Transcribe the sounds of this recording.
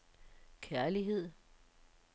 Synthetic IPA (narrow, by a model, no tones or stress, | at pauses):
kʰæɐliɦe̝ð̰ˠ